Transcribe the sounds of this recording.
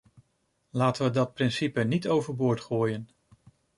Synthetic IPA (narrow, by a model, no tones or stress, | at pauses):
laːtəʋədɑt̚prɪnsipənitowvəɹbʊːɹtχoːjən